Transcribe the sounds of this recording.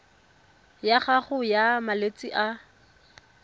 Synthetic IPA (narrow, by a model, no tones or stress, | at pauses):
jaχaχʊjamalet͡sʼiʔa